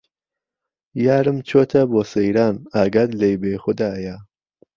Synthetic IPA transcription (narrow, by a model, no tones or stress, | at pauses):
jaːɾɨmt͡ʃʰoːt̪ʰɐboːsejɾaːnaːɡɐd̪lejbeːxʊd̪aːja